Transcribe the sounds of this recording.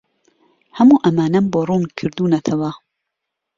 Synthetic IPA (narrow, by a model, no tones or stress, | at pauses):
hɐmuːʔɐmaːnɐmboːruːnkʰɨɾd̪uːnɐt̪ʰɐwɐ